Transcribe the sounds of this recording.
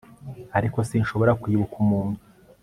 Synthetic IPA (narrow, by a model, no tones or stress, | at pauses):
aɾiko̞siːnʃo̞βo̞ɾakwiːβukumuːnu